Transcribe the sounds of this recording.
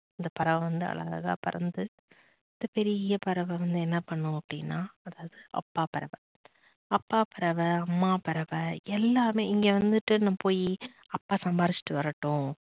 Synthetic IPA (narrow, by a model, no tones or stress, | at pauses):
ɪnd̪ɐpɐɾɐʋɐʋɐnd̪ɯɐ̰lɭɐ̰ɐ̰ɣa̰ːpɐɾɐ̰nd̪ɯ | ɪnd̪ɐpɛɾɪjɐpɐɾɐʋɐʋɐnd̪ɯɛnːɐpɐɳːʊ̃ɐpːɐɽɪnːaːɐðaːʋɐðɯʔɐ̰pːaːpɐɾɐʋɐ | ɐpːaːpɐɾɐʋɐɐmːaːpɐɾɐʋɐɛlːaːmeːɪŋɡeːʋɐnd̪ɯʈːɯnãːpoːji | ɐpːaːsɐmbaːɾɪt͡ʃːɪ̥ʈːɯʋɐɾɐʈːõː